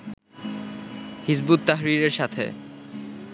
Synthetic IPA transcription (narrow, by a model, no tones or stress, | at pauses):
hisbut̪ːaɦɾiɾeɾʃat̪ʰḛ